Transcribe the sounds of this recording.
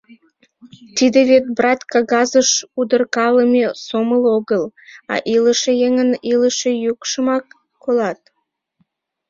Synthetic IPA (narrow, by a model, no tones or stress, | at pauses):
t̪id̪eβet̪̚brɑt̪kɑɣɑzəʃud̪ərkɑləmesoməloɣəlɑ̰ʔiləʃejeŋəniləʃejukʃəmɑkː | olɑt̪̚